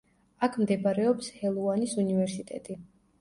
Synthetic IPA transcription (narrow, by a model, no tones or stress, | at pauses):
akʰmd̪ɛbaɾɛɔpshɛlˠuanisunivɛɾsit̪ʼɛt̪ʼi